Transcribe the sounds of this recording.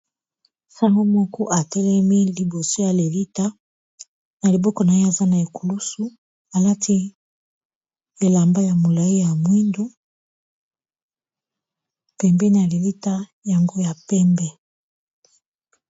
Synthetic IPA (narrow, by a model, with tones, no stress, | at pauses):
sa˦ŋɡo˦mɔ˦kɔ˦ʔa˨tɛ˦lɛ˦mi˦li˨bo˨so˦ja˨le˨li˦ta˦ | na˨li˨bɔ˦kɔ˨na˨je˦a˨za˦na˨e˨ku˨lu˦su˨ | a˨la˦tʰi˦ | e˨la˨mba˦ja˨mo˨la˨i˦ja˨mwi˦ndo˦ | pɛ˨mbɛ˦na˨le˨li˦ta˦ja˨ŋɡo˦ja˨pɛ˦mbɛ˦